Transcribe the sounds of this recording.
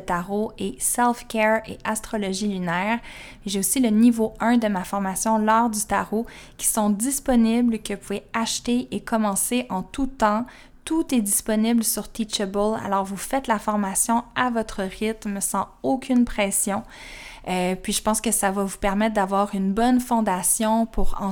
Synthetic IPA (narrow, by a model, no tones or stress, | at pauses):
t̪aʁoʔesɛlfkʲɛʁḛʔast̪χɔlɔʒilynɛːʁ | eʒeosilənivoœ̃d̪əmafɔʁmasjɔ̃lɔːʁd̪yt̪aʁo | kʲi̥sɔ̃d̪ispɔniblkəpuveaʃt̪eekɔmɑ̃seʔɑ̃t̪ut̪ɑ̃ | t̪ut̪ɛd̪ispɔniblsyʁt̪it͡ʃebɔla̰lɔːʁvufɛt̪lafɔʁmasjɔ̃avɔt̪χəʁɪt̪msɑ̃ | okʲʰynpχɛsjɔ̃ | øpɥiʒəpɑ̃skəsavavupɛʁmɛt̪̚d̪avwaːʁynbɔnfɔ̃d̪asjɔ̃pʰuʁɑ̰̃